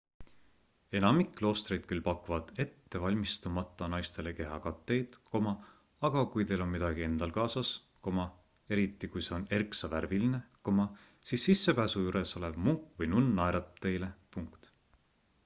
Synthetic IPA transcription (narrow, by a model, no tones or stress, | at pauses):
e̞nɑmikːlo̞ːst̪rejd̪̥̚kylpɑkːˑuvɑd̪̥e̞t̪ːe̞vɑlʲmist̪umɑt̪ˑːɑnɑjst̪e̞le̞ke̞ɦɑ̰kɑt̪ːe̞jd̪̥ko̞mɑ | ɑɡ̥ɑkujt̪e̞lo̞nmid̪ɑɡie̞nd̪̥ɑlkɑːsɑs | ko̞mɑ | e̞ɾit̪ːikujse̞o̞ne̞rksɑvæɾviline̞ko̞mɑ | sisːisːe̞pæːsujuɾe̞so̞le̞vmuŋkːvɤjnunːɑeɾɑt̪t̪ːe̞jle̞puŋkt̪